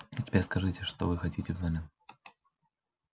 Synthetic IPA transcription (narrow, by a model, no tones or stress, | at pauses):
itʲɪ̥pʲeɾʲskɐʐɨtʲɪʂt̪ovɨxɐtʲitʲɪvzamʲɪn